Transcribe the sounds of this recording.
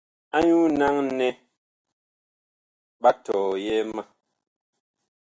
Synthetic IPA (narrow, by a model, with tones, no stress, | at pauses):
a˦ɲu˦na˦ŋnɛ˦ | ba˦tɔː˨jɛ˦ma˦˨